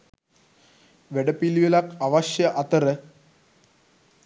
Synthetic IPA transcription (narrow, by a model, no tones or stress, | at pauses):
ʋeɖəpilʋelakaʋɐɕjɐʔɐt̪əɾə